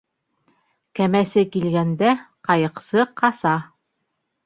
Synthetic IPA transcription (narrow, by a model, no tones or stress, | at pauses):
kæmæsɘkilɡænd̪æqɑjɤ̆qsɤqʰɑsɑ